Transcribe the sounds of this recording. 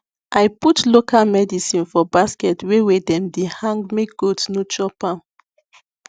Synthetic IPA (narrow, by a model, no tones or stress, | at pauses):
ʔajputlokalmɛdisĩnfɔbaskɛtwewedɛ̃mdehãŋɡmek̚ɡ̥otsnot͡ʃɔpãm